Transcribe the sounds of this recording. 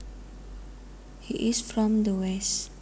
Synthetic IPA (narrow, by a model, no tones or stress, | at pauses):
hiʔɪsfɾɔ̃md̪əwɛs